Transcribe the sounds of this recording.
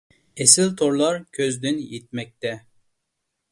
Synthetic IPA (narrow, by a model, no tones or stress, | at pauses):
esɪlt̪ʰoɾlˠɑɾkʲʰøzd̪ynjet̪̚mɛk̚ʲt̪ɛ